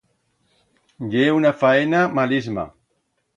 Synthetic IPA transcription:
ʎeunafaenamalizma̰

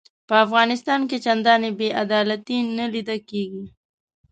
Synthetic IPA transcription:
pəafɣɑnɪst̪ɑnket͡ʃand̪ɑnebeʔad̪ɑlat̪inəlid̪əkeɡi

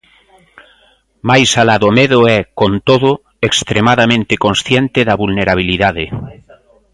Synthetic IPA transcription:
majsalaðomeðoɛkont̪oðo | ekst̪ɾemaðamẽnt̪ekonsθjent̪eðaβulneɾaβ̞iliðaðe

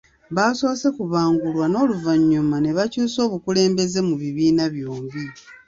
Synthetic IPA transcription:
βaso̞ːse̞kuβaːŋɡulwano̞ːluvaɲːumane̞βacuːso̞ːβukule̞ːmbe̞ze̞muβiβiːnaβjoːmbi

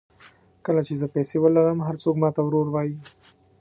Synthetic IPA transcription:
kəlat͡ʃezəpɛsewəlaɾəmɦaɾt͡sokmɑt̪awɾoɾwɑji

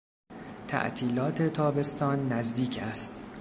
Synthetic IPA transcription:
t̪ʰæ̰ʔt̪ʰiːlɒːt̪ʰe̞t̪ʰɒːbe̞st̪ɒːnːæzd̪iːcʰæst̪̚

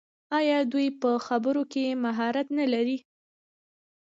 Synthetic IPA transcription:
ɑjɑd̪ujpəxabəɾokemaɦɑɾat̪nalaɾi

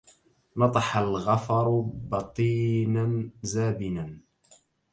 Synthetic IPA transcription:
nɑt̪ˤɑħalɣɑfɑɾˤbɑt̪ˤiːnanzaːbɪnan

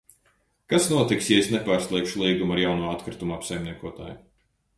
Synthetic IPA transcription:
kasnuɔt̪iksjɛesnepaːɾslˠiɛkʃulˠiːɡumaɾjawnuɔat̪kɾit̪umapsajmniɛkuɔt̪a̰ːj

